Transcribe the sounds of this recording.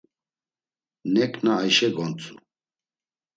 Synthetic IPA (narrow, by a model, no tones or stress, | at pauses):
nɛkʰʼnaːjʃɛɡɔnt͡sʼu